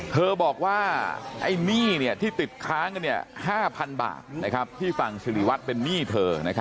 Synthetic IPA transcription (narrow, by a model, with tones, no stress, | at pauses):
t̪ʰɤː˧bɔː˨˩k̚waː˥˩ʔa̰˥˩jniː˥˩ni˥˩ɐt̪ʰiː˥˩t̪i˨˩t̪̚kʰɾaː˦˥ŋka˧nːi˥˩ɐhaː˥˩pʰa˧nba̰ː˨˩t̪̚na˦˥kʰa˦˥p̚t̪ʰiː˥˩fa˨˩ŋsi˧li˦˩wa˦˥t̪̚pe˧nːiː˥˩t̪ʰɤː˧na˦˥kʰa˦˥